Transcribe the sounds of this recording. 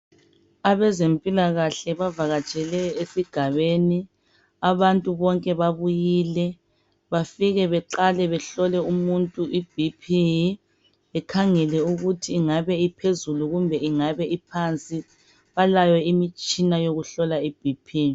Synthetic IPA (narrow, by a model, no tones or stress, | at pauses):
aβɛzempʼilaɣaɬɛβavaɣat͡ʃʼɛlɛesiɡ̥ʱaβeni | aβantʼuβɔŋkʼɛβaβujilɛ | βafiɣɛβɛǃalɛβɛɬɔlɛumuntʼuʔib̥ʱipʰi | ɛkʰaŋɛlɛuɣutʰiːŋaβɛipʰezuluɣumbʱɛiŋaβɛʔipʰant͡sʼi | βalajɔimit͡ʃʼinajoɣuɬɔlaib̥ʱipʰiː